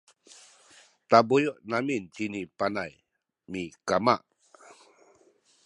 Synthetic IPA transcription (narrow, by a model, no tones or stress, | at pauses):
t̪abujuʔnamint͡ɕinipanaj | mikamaʔ